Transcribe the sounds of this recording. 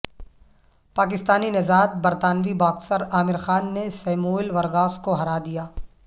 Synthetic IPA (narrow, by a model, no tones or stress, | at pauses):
paːk̬ɪst̪aːninɐzaːt̪̚bɐɾt̪aːnʋibaːksəɾaːmɪɾxaːnːesɐːmuːɪlʋɐɾɣaːskoɦɐɾaːd̪ijaː